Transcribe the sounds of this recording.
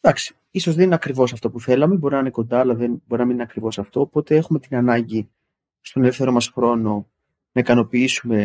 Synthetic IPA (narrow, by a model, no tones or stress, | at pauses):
d̪ɐksi̥ | iso̞zðenineɐkɾivo̞sɐft̪opuθe̞lɐmebo̞ɾinɐineko̞nd̪ɐːlɐðenbo̞ɾinɐmininɐkɾivo̞sɐft̪o̞ːpo̞t̪e̞e̞xume̞t̪inɐnɐɲɟi | st̪o̞ne̞lefθe̞ɾo̞mɐsxɾo̞no̞ | nɐikɐno̞piisume̞